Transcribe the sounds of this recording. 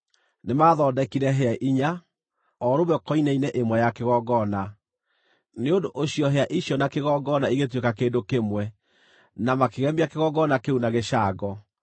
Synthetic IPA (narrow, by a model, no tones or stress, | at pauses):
nemaːðɔːdɛkiɾɛɦeaʔiɲa | ɔɾoβɛkɔinɛinɛʔemwɛjakeɣɔɡɔna | neondoʔoɕiɔɦeaʔiɕjɔnakeɣɔɡɔnaiɣet̬wekakeːdokemwɛ | namakeɣɛmbiakeɣɔɡɔnakeunaɣeɕaːɡɔ